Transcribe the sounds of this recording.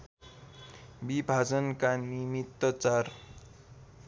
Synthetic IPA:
bibʱad͡zʌnkanimit̪ːʌt͡sar

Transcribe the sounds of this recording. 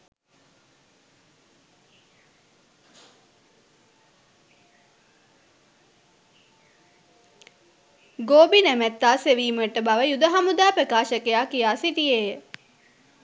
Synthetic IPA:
ɡoːbinæmæt̪ːaːseʋiːməeʈəbaʋəjud̪əɦamud̪aːpəkaːʃəkejaːkijaːsit̪ijeːjə

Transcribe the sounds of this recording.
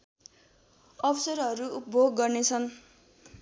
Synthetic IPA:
ʌbʌsʌɾʌɾuupbʱoɡːʌrnet͡sʰʌn

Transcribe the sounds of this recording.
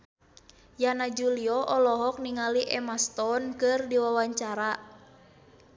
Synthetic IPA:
janad͡ʒuliɔʔɔlɔɦɔk̚niŋaliʔɛmast̪ɔnkɨrdiwawaɲt͡ʃaɾa

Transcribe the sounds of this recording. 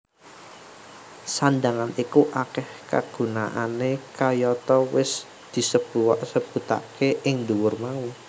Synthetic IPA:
sand̪aŋanikuʔakɛhka̰ɡ̥ṳna̰ʔanekajɔt̪ɔwɪs | d̪̥i̤səb̥uwaʔsəb̥ṳt̪a̰ʔkeʔɪŋd̪uwʊrmau

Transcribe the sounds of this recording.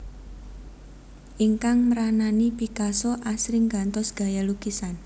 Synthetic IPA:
ʔiŋkaŋməɾananipikasɔʔasɾɪŋɡa̤nt̪ɔsɡ̥a̤jalukisan

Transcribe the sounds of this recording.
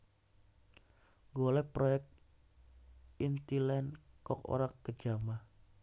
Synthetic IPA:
ɡolɛhpɾojɛk̚t̪ | int̪ilɛnkɔk̚o̰ɾakːə̥d͡ʒamah

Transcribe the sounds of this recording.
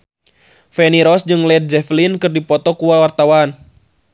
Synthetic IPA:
fɛniɾɔsd͡ʒɨŋlɛd̪̚d͡ʒɛflinkɨrdipɔt̪ɔkuwawart̪awan

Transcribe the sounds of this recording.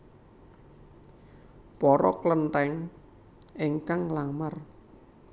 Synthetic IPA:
pɔɾɔ̰kləntɛŋ | eŋkaŋlamar

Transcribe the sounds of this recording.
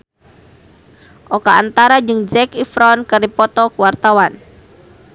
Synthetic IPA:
ʔokaːnt̪aɾad͡ʒəŋd͡ʒɛkifɾɔnkəɾipɔt̪ɔkuwart̪awan

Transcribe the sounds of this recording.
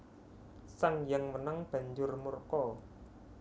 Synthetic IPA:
saŋjaŋwənəŋb̥ä̤ɲd͡ʒʊrmurkɔ

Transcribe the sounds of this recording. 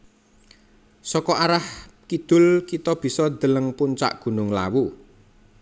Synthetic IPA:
sɔkɔʔaɾahkid̪̥ʊ̤lkit̪ɔb̥i̤sɔd̪̥ə̤ləŋpuɲt͡ʃa̰ʔɡ̥ṳnʊŋla̰wu

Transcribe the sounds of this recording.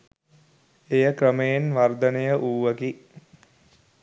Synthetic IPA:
ejəkɾəmejenʋard̪ənejəʔuːʋəɡi

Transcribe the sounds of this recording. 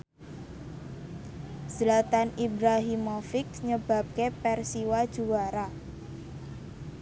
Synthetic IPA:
səlat̪anibɾaɦimɔfɪkɲəb̥a̤p̚kepɛrsiwad̥ʒ̥uwaɾa

